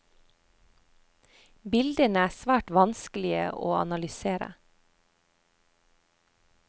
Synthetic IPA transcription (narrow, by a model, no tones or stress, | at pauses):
bɪld̪ənəæːsʋæːʈʋɑnskəlɪə̰ʔo̰ːɑ̰nɑlʏseːɾə̰